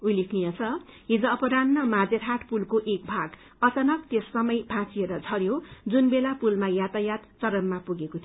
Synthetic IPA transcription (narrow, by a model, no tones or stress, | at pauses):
ujlikʰnijʌt͡sʰʌ | ɦid͡zʌʌpʌɾanːʌmad͡zetʰaʈpulkoʔek̚bʱaɡ | ʌt͡sʌnʌk̚t̪esːʌmʌjbʱãt͡sieɾʌd͡zʱʌɾjod͡zunbelapulmajat̪ajat̪t͡sʌɾʌmːapuɡekot̪ʰ